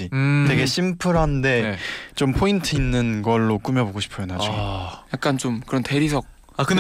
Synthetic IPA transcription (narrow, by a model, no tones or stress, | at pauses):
iteɡe̞ɕʰimpʰɯɾɦande̞t͡ɕompʰointʰɯinːɯnɡʌɭːok͈umjʌboɡoɕʰi̥pʰojonad͡ʑoɡojak̚k͈ant͡ɕomkɯɾʌnte̞ɾisʰʌk̚ | akɯ